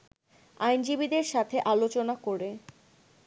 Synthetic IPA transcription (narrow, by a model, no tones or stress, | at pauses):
ajnd͡ʑibid̪eɾʃat̪ʰeʔalot͡ɕonakoɾe